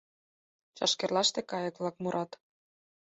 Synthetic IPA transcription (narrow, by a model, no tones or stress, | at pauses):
t͡ɕɑ̰ʃkerlɑʃt̪ekɑjɤ̆kβlɑkmuɾʔɑt̪